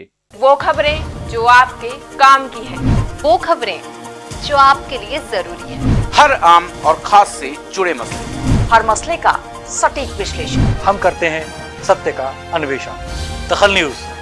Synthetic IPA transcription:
ʋoːkʰɐbɾẽd͡ʒoːaːp̚ke | kaːmkiɦɛ̃ːʋoːkʰɐbɾẽ | d͡ʒoːaːp̚keliezɐɾuːɾiɦɛ̃ːhɐɾaːmɔːɾxʰaːsːed͡ʒʊɽemɐslḛhɐɾmɐsleka̰ | sɐʈiːkʋɪʃleːʃənhɐmkɐɾt̪eɦɛ̃ | sɐt̪jəka | ɐnʊʋeːʃə̰nd̪̥ɐxəlnjuːz

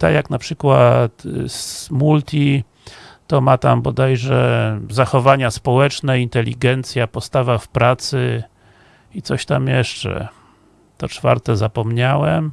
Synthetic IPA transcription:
t̪a̰jaknapʂɘkwat̪ | mult̪ʲʰi | t̪ɔmat̪ambɔd̪ajʐɛzaxɔvaɲaspɔwɛt͡ʂnɛint̪ɛlʲːiɡɛnt̪sʲjapɔst̪avafpɾat̪sɘ | it̪sɔɕt̪amjɛʂt͡ʂɛ̰ | t̪ɔt͡ʂfa̰ɾt̪ɛzapɔmɲawɛm

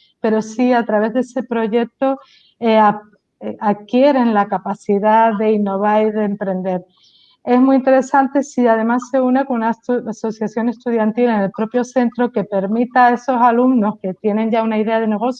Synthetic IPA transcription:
pe̞ɾo̞siat̪ɾaβe̞ɦðese̞pɾo̞ʝe̞k̚t̪o̞ | ea | akje̞ɾe̞nlakapasiðaðe̞inːo̞β̞aɾiðe̞ːmpɾẽ̞nd̪e̞ɾ | e̞zmuint̪e̞ɾe̞sant̪e̞siað̞e̞masːe̞une̞kounaaso̞θjasjo̞ŋe̞st̪uðjant̪ilene̞lpɾo̞pjo̞θe̞nt̪ɾo̞ke̞pe̞ɾmit̪ae̞so̞salumno̞ske̞t̪je̞nẽ̞ɲʝaunaiðe̞að̞e̞ne̞ɣ̞o̞θj

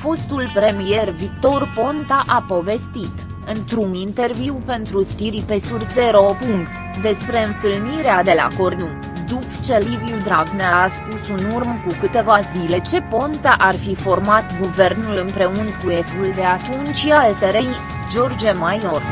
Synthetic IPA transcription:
fo̞st̪ulpɾe̞mije̞rvik̚t̪o̞rpo̞nt̪aʔapo̞ve̞st̪it̪ | ɨnt̪ɾunint̪e̞rviwpe̞nt̪ɾust̪iɾipe̞surseɾopuŋkt̪ | d̪e̞spɾe̞ɨnt̪ɨlniɾead̪e̞la̰ko̞rnu | d̪upt͡ʃe̞liviud̪ɾaɡneaaspusunurmkukɨt̪e̞vazile̞t͡ʃe̞po̞nt̪aʔarfifo̞rmat̪ɡuve̞rnulɨnpɾe̞unkue̞fuld̪e̞at̪unt͡ʃʲalseɾej | d͡ʒo̞rd͡ʒemajo̞r

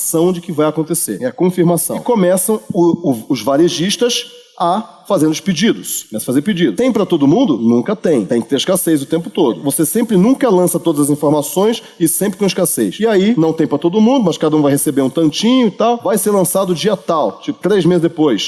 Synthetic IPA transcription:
sɐ̃w̃d͡ʒɪkɪvajakõnt̪esḛɾɛɐkõfiɾmasɐ̃ɪ̃wkõmɛsɐ̃w̃ʊʊʊzvaɾeʒiʃt̪ɐs | ɐ | fazẽɾd̪ʊsped͡ʒid̪ʊskomɛsɐfazeɾped͡ʒid̪t̪ẽj̃pɾɐt̪od̪ʊmũnd̪ʊnũkɐt̪ẽj̃t̪ẽj̃kɪ̥t̪eɾɪʃkasejzʊt̪ẽmpʊt̪od̪ʊvosesẽmpɾɪnũŋkɐlɐ̃sɐt̪od̪ɐzɐzĩfoɾmasõj̃s | ɪsẽpɾɪkõɪʃkasḛjʃɪainɐ̃w̃t̪ẽj̃pɾɐt̪od̪ʊmũnd̪ʊmɐskad̪ɐũvajhesebeɾũt̪ɐ̃nt͡ʃĩɲʊɪt̪awvajseɾlɐ̃sad̪ʊd͡ʒiɐt̪awt͡ʃipʊt̪ɾejzmezɪzd̪epojs

